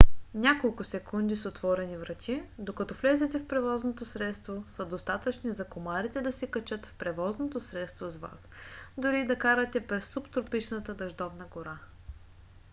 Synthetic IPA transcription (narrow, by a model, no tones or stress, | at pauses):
nʲakolˠkʊsɛkund̪isot̪vɔɾɛnivɾɐt̪ʲʰid̪okɐt̪ɔflɛzɛt̪ɛfpɾɛvɔznot̪osɾɛt̪st̪vosɐd̪ost̪at̪ət͡ʃnizɐkomaɾit̪ɛd̪ɐsɛkɐt͡ʃɤt̪fpɾɛvɔznot̪osɾɛt̪st̪vozva̰sd̪ʊɾid̪ɐkaɾɐt̪ɛpɾɛsːupt̪ɾopit͡ʃnət̪əd̪ɐʒd̪ɔvnəɡoɾa